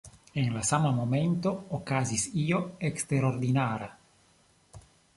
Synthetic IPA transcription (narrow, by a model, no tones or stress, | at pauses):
eŋlasamamoment̪o̞ːkazisio̞ekst̪eɾoɾd̪inaɾa